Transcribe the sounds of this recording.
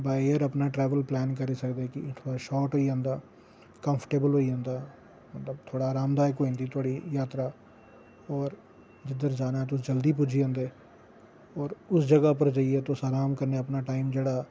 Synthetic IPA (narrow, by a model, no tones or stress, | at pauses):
baːeɾəpnaːʈɾɛːʋəlplɛːnkəɾiːsəkd̪eːkɪt̪ʰoːɽaːʃɔːʈɦoːiãːnd̪aː | kəmpʰəʈeːbəlɦoːiãːnd̪aː | mət̪ləbt̪ʰoːɽaːɾaːmd̪aːekoːĩːnd̪iːt̪ʰʊaːɽiːjaːt̪ɾaː | ɔːɾ | d͡ʒɪd̪əɾd͡ʒaːnaːt̪̬ʊsd͡ʒəld̪iːpʊd͡ʒʱiːãːnd̪eː | ɔːɾʊsd͡ʒəɡaːp̬əɾd͡ʒaːieːt̪osaːɾaːmkəɾneːəpnaːʈaːimd͡ʒeːɽaː